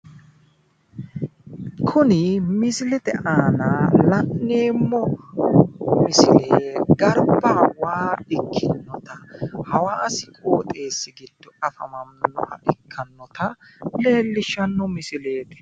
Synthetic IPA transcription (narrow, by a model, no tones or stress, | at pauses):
kʰʊnɪmɪsɪlɛt̪ɛʔaːnalɐnːeːmːɔ | mɪsɪleːɡɐɾbɐwaːɪkʰːɪnːɔt̪ɐhɐwaːsɪkʼo̞ːt̪ʼe̞ːsːɪɡɪd̪̥ːɔɐfɐmɐmnɔ̰ʔɐ̰ʔɪkʰːɐnːɔt̪ɐle̞ːlːɪʃːɐnːɔmɪsɪle̞ːt̪ɛ̥